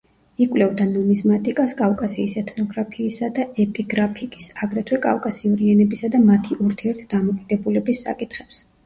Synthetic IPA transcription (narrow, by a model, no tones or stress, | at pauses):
ikʼwlɛvd̪anɔnismat̪ʼikʼaskʼavkʼasiːsɛt̪ʰnɔɡɾapʰiːsad̪aɛpʼiɡɾapʰikʼi̥saɡɾɛt̪ʰwɛkʼa̰fkʼasiɔɾianɛbisad̪amat̪ʰiʔuɾt̪ʰiɛɾt̪ʰd̪amɔkʼid̪ɛbulɛbisːa̰kʼit̪ʰχɛps